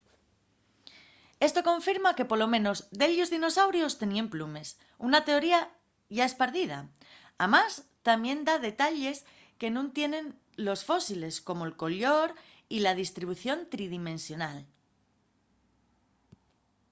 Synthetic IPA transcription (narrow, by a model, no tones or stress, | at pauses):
e̞st̪o̞kõ̞ɱfiɾmake̞po̞lo̞mẽ̞no̞zd̪e̞ʎozðino̞sawɾjo̞st̪e̞niemplume̞s | unat̪e̞o̞ɾia | ʝae̞spaɾðið̞a̰ | amast̪ambje̞nd̪aðe̞t̪aʎe̞s | ke̞nũnt̪je̞nẽ̞n | lo̞sfo̞sile̞sko̞mo̞elko̞ʎo̞ɾ | ilað̞ist̪ɾiβ̞uθjo̞nt̪ɾiðimẽ̞nsjo̞nal